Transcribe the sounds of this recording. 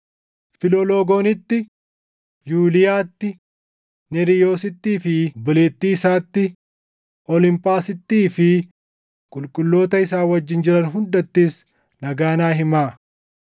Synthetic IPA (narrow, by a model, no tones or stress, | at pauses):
fɪloloːɡoːnɪt̪ːɪ | juːlɪjaːt̪ːɪ | nɛɾɪjo̞ːsɪt̪ːiːfɪbɪleːt̪ːiːsaːt̪ːɪ | ʔɔlɪmpʼaːsɪt̪ːiːfɪ | kʼʊlkʼʊlːo̞ːt̪ɐɪsaːwɐd͡ʒːɪnd͡ʒɪɾɐnɦʊnd̪ɐt̪ːiːs | nɐɡaːnaːɦɪmaː